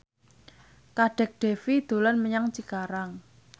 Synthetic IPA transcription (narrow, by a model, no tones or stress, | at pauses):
kaɖ̥ɛ̤k̚ɖ̥e̤fid̪̥o̤lɔnməɲaŋt͡ʃikaɾaŋ